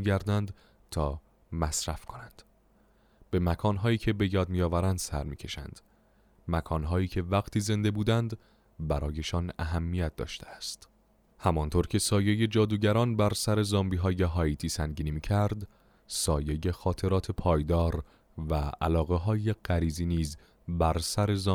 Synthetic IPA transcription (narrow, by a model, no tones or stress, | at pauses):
iɟæɾd̪ænd̪ | t̪ʰɒː | mæsɾæfkʰo̞nænd̪̥ | b̥e̞mækʰɒːnɦɒːiːcʰe̞be̞jɒːd̪̚mijɒːvæɾænd̪̥sæ̰ɾmḭːcʰe̞ʃæ̰nd̪̥ | mækʰɒːnɦɒːiːcʰe̞væɣt̪ʰiːze̞nd̪e̞buːd̪ænd̪ | bæɾɒːje̞ʃɒnæ̰ɦæmːijæt̪̚d̪ɒ̰ːʃt̪ʰeæst̪ | hæmɒnt̪ʰoːɾcʰe̞sɒːjeje̞d͡ʒɒːd̪uːɟæɾɒːnbæɾsæɾe̞zɒːmbiːɦɒːje̞ɦɒːit̪ʰiːsæŋɟiːnimiːcʰæɾd̪ | sɒːjeje̞xɒːt̪ʰe̞ɾɒːt̪ʰe̞pʰɒːjd̪ɒːɾ | vææ̰lɒːɣe̞ɦɒːje̞ɢ̥æɾiːziːniːz | bæɾsæɾe̞zɒː